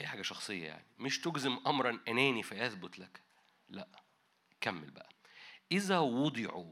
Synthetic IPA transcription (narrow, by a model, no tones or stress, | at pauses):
ʔæjːħaːɡæʃɑxsˤejːɑ̰ja̰ʕnimeʃt̪oɡzemʔɑmɾˤɑnʔænæːnifæʔæθbot̪læk | læʔ | kæmːḛlbæ̰ʔæʔɪzæwɑd̪ˤeʕu